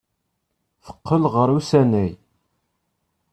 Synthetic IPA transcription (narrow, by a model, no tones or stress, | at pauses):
fə̥qːəlʁəɾˤusænæj